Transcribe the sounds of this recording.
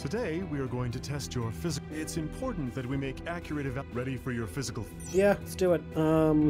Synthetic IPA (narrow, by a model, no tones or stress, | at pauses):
tʰɨdeɪwiə˞ɡoʊɪ̃ŋtɨtʰɛst͡ʃə˞fɪzɪtsɨ̃mpʰɔɹʔn̩ðɨt̚wimeɪkækʰjə˞ɨɾɨvɹɛɾifə˞jə˞fɪzɨkəl̩ˠ | jæsd̥ʉɪt̚ʌm